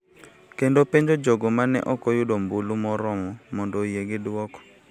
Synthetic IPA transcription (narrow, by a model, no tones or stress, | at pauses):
kendopeɲd͡ʒod͡ʒoɡɔmanɛ̰ʔɔkɔjʊdombulumɔɾɔmɔmɔndojeɡɪdwɔkɔ̥